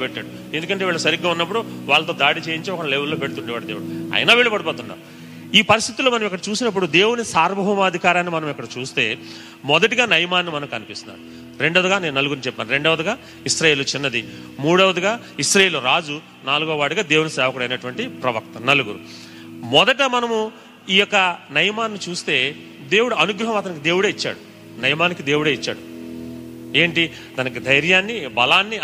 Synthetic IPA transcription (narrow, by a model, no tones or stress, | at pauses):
peʈːaːɽu | end̪ukɐɳʈeʋiːɭɐsɐɾiɡːaːunːɐp̬ːuɽuʋaːɭːɐt̪o̞ːd̪aːɽit͡ʃe̞ːjiɲt͡ʃeɔkɐɐleːʋulːoːpeɽut̪uɳɖɛʋaːɽd̪eːuɽuɐ̰jɐnaːʋeɭipɐɽiɐpoːt̪unːa̰u | iːpɐɾist̪ʰit̪uloːmɐnɐmikːɐɽɐt͡ʃuːsinɐp̬ːuɽud̪e̞ːwunisaːɾbɐɦɐmɐd̪ʱikaːɾaːnːimɐnɐmikːɐɽɐt͡ʃuːst̪e̞ː | mɔd̪ɐʈiɡaːnɐjmaːnːimɐnɐmkɐnipist̪unːa̰ːnu | ɾe̞ɳɖɐʋd̪uɡaːne̞ːnunɐluɡuɾunt͡ʃɛpːaːnɾe̞ɳɖɐʋɐd̪uɡaː | isɾaːjeːlut͡ʃinːɐd̪i | muːɽɐʋɐd̪uɡaː | iʃɾajeːluɾaːd͡ʒu | naːluɡoːʋaːɽuɡaːd̪eːwunɐsɛːʋɐkuɽɐjnɐʈuʋɐɳʈipɾɐʋɐk̚t̪ɐnɐluɡuɾu | mɔd̪ɐʈmɐnɐmu | iːjɔkːɐnɐjɐmaːnnit͡ʃuːst̪e̞ː | d̪e̞ːwuɽuɐnuɡɾɐɦɐmɐt̪ɐnik̬id̪e̞ːwuɽeːit͡ʃːa̰ːɽu | nɐjmaːnikid̪e̞ːwuɽeːit͡ʃːa̰ːɽu | e̞ːɳʈi | t̪ɐnɐk̬id̪ɐjɾjaːnːibɐlaːnːi